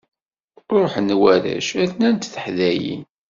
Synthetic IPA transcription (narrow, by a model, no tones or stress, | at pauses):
ɾoħənːwæɾæ̰ʃæθnænt̪θə̥ħðæjḭn